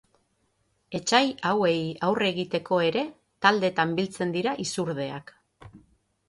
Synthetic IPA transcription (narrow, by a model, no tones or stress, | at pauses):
e̞t͡ʃajawe̞jawre̞ɣit̪e̞ko̞e̞ɾe̞ | t̪ald̪e̞t̪ambilt͡se̞nd̪iɾaʔisuɾðe̞a̰k